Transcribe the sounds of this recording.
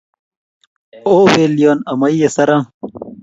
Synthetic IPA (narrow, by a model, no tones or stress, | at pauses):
oːweːlijoːnɐmɐijɐsɐɾa